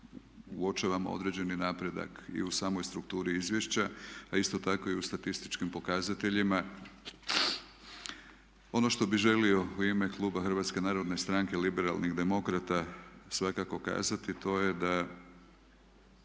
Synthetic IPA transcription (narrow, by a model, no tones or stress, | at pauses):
uo̞t͡ʃaʋamo̰o̰d̪ɾe̞d͡ʑe̞ninapɾe̞d̪a̰kḭusaːmo̞jst̪ɾuk̚t̪uːɾiizʋjeʃt͡ɕaaist̪o̞t̪ako̞iust̪at̪ist̪i̥t͡ʃkimpo̞kaːzat̪e̞ʎima | o̞no̞ʃt̪o̞biʒe̞lio̞uime̞klˠuːbaxrʋat̪ske̞naːɾo̞d̪nest̪ɾaŋkelibe̞ɾa̰lniɣd̪e̞mo̞kɾat̪asʋakako̞ka̰ːzat̪it̪o̞je̞d̪a